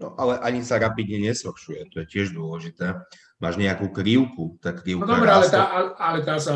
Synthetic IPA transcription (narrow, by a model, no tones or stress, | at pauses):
nɔ̰ʔalɛʔaɲisaɾapid̪ɲɛɲɛzhɔɾʃujɛt̪ɔjɛcɪɛʒd̪ʊɔlɛʒit̪ɛː | maːʒɲɛakuːkɾiʊkut̪aːkɾiʊkd̪ɔbɾɛalɛt̪ːaalɛt̪aːsa